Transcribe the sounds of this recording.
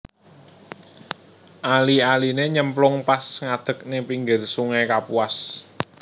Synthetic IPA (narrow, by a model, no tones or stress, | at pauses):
ʔalialineɲəmplʊŋpasŋad̪̥ə̤k̚nepiŋɡɪrsuŋekapuas